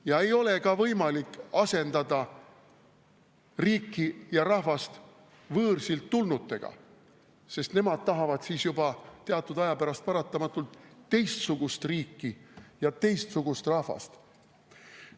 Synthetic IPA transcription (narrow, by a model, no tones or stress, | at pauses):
jɑe̞jo̞le̞kɑvɤjmɑlikːɑse̞nd̪̥ɑd̪ɑ | riːkːijɑɾɑhvɑst̪ | vɤːrsilt̪ːulnut̪ːe̞ɡ̥ɑ̰ | se̞st̪ne̞mɑd̪̥̚t̪ɑɦɑvɑd̪̥siːsjubɑt̪eɑt̪ːˑud̪ɑjɑpæɾɑst̪̚pɑɾɑt̪ːˑɑmɑt̪ːˑult̪ːe̞jst̪suɡ̥ust̪riːkːijɑt̪e̞jst̪suɡ̥ust̪rɑhvɑ̰st̪